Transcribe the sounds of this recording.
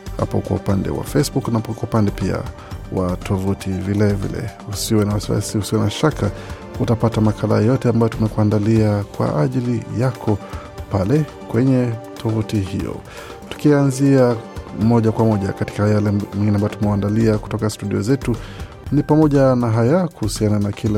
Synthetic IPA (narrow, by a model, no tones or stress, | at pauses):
ha̰pɔ̰kwa̰upandɛ̰wa̰fɛsbuknakwaupandɛpia̰ | watʰɔvutʰivilɛvḭlɛ̰usiwɛnawasiwa̰siusiwɛnaʃaka | utapatamakʰala̰jɔtɛambajɔtumɛkwuandaliakwa̰ʔaʄilijakʰɔ | palɛ | kwɛɲɛtʰɔvutihḭjɔ̰ | tu̥kianziamɔʄakwamɔʄa̰kati̥kajalɛwɛ̃ŋɡinɛambajɔtumɛandaliaku̥tɔkastuɗiɔ̰zɛtu | nipamɔʄanaɦajakuhusiananakʰila